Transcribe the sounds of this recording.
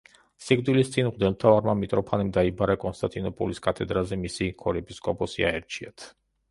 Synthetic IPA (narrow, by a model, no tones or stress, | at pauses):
siɡʼd̪wilist̪sʼinʁd̪ɛlmt̪ʰavaɾmamit̪ʼɾɔpʰanɛmd̪aibaɾakʼɔnst̪ʼant̪ʼinɔpʼɔliskʼat̪ʰɛd̪ɾazɛmisikʰɔɾɛpʼiskʼɔpʼɔsiaɛɾt͡ʃʰia̰t̪ʰ